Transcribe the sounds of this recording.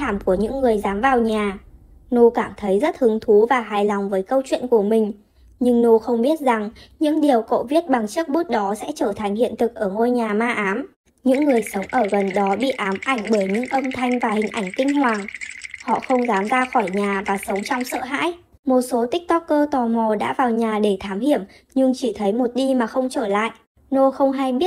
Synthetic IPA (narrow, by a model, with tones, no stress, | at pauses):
aː˧˩mku˧˩əɲɨ̰˧˥ŋːɨ˨˩əjzaː˨˦mvaː˨˩wɲaː˨˩ | no˧kaː˧˩mt̪ʰə˨˦jzə˦˥t̚hɨ˨˦əŋt̪ʰu˨˦vaː˨˩ɦaː˨˩jlɔ˨˩wŋ͡mvəː˨˦jkə˧wt͡ɕwḭ˧˨nku˧˩əmï˨˩ŋ̟ | ɲɨ˧ŋno˧xə˧wŋ͡mɓi˦˥ət̚za˨˩ŋɲɨ̰˧˥ŋɗi˨˩əwko̰˧˨vi˦˥ət̚ɓa˨˩ŋt͡ɕɨ˦˥ək̚ɓu˦˥t̚ɗɔ˨˦sɛ̰˧˥t͡ɕəː˧˩t̪ʰa˨˩jŋ̟hḭ˧˨ənt̪ɨ˨˩k̚ʔəː˧˩ŋo˧jɲaː˨˩maː˧ʔaː˨˦m | ɲɨ̰˧˥ŋːɨ˨˩əjsə˨˦wŋ͡mʔəː˧˩ɣə˨˩nɗɔ˨˦ɓḭ˧˨ʔaː˨˦mʔa˧˩jŋ̟ɓəː˧˩jɲɨ̰˧˥ŋʔə˧mt̪ʰa˧jŋ̟vaː˨˩hï˨˩ŋ̟ʔa˧˩jŋ̟k̪ï˧ŋ̟hwaː˨˩ŋhɔ̰˧˨xə˧wŋ͡mzaː˨˦mzaː˧xɔ˧˩jɲaː˨˩vaː˨˩sə˨˦wŋ͡mt͡ɕɔ˧wŋ͡msə̰˧˨ɦa̰ː˧˥j | mo˨˩t̚so˨˦t̪ï˦˥k̚t̪ɔ˦˥k̚ːəː˧t̪ɔ˨˩mɔ˨˩ɗa̰ː˧˥vaː˨˩wɲaː˨˩ɗe˧˩t̪ʰaː˨˦mɦi˧˩əm | ɲɨ˧ŋt͡ɕi˧˩t̪ʰə˨˦jmo˨˩t̚ɗi˧maː˨˩xə˧wŋ͡mt͡ɕəː˧˩la̰ː˧˨jʔ | no˧xə˧wŋ͡mɦa˧jɓi˦˥ət̚